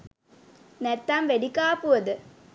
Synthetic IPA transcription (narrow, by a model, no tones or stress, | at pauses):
nɛt̪ːaːmʋeɽikaːpɯʋɐd̪ɯ